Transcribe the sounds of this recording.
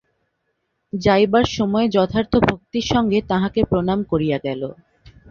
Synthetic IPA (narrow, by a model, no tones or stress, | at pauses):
d͡ʑajbaɾʃɔmɔed͡ʑɔt̪ʰaɾt̪ʰobʱok̚t̪iɾʃɔŋɡet̪ãɦãkepɾonamkoɾijaɡɛlo